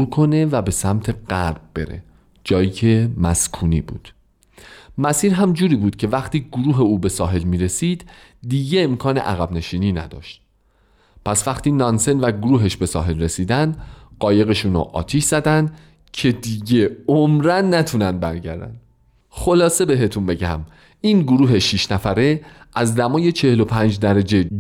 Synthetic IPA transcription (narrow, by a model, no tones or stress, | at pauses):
ɾkʰo̞ne̞væbe̞sæmt̪ʰe̞ɢæɾb̚be̞̰ɾḛ | d͡ʒɒːjiːcʰe̞mæskʰuːniːbṵːd̪̥ | mæsiːɾɦæmd͡ʒuːɾiːbuːd̪̥cʰe̞væχt̪ʰiːɡoɾuːɦe̞uːbe̞sɒːɦe̞lmiːɾe̞siːd̪̥ː | iːɟe̞emkʰɒːne̞̰ʔæɣæbne̞ʃiːniːnæ̰d̪ɒ̰ːʃt̪̚ | pʰæsvæχt̪ʰiːnɒnse̞nvæɡoɾuːɦeʃbe̞sɒ̰ːɦe̞lre̞siːd̪ænd̪ɢɒːje̞ɣe̞ʃuːnɔ̰ʔɒ̰ːt̪ʰiʃz̥æd̪ænd̪ | cʰe̞d̪iːɟe̞omɾænːæt̪ʰunænd̪̚bæ̰ɾɟæ̰ɾd̪æ̰n | xo̞lɒːse̞be̞ɦe̞t̪ʰunbe̞ɟæ̰m | iːnɡoɾuːɦe̞ʃiːʃnæfæɾeʔæzd̪æmɒːje̞t͡ʃʰe̞helo̞pʰænd͡ʒd̪æɾæd͡ʒe̞